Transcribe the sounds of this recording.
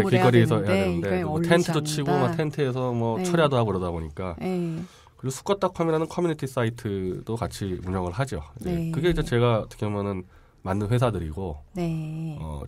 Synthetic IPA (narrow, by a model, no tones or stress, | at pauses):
ekeɡʌɾiesʰʌejadwenɯnde̞tʰe̞ntʰɯdot͡ɕʰiɡomatʰe̞ntʰɯe̞s̬ʰʌmwʌt͡ɕʰʌɾjadoɦaɡoiɾʌdaboɲik͈a | kɯɾiɡosʰu̥k͈ʌt͈ʰakʰʌmiɾanɯnkʰʌmjunitʰis͈aitʰɯdokat͡ɕʰimuɲʌŋɯɭɦad͡ʑo̰id͡ʑekɯɡe̞id͡ʑe̞t͡ɕe̞ɡat͈ʰɯ̥kʰiomjʌnɯn | manːɯnɸwe̞s̬ʰadɯɾḭɡonʌ̰